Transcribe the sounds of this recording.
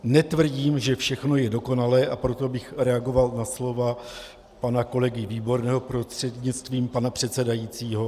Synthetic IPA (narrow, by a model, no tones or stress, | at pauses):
nɛt̪vr̩ɟiːmʒɛfʃɛxno̞jɛdo̞ko̞nalɛːʔapɾo̞t̪o̞bɪxɾɛaɡo̞valnaslo̞va | panako̞lɛɡɪviːbo̞ɾnɛːɦo̞pɾo̞st̪r̥ɛd̪ɲɪt͡st̪viːmpanapr̝̥ɛt̪sɛdajit͡siːɦo̞